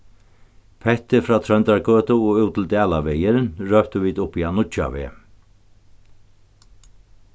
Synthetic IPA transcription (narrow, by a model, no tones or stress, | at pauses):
pʰɛht̪ɪfɾaːt̪ʰɾœnt̪aɾkøːt̪ʊɔɣuwt̪ʰɪlt̪æːlaʋɛjɪɾɪnɹœpt̪ʏviːd̪ʊhpːianʊt͡ʃa̰ʋɛ̰ː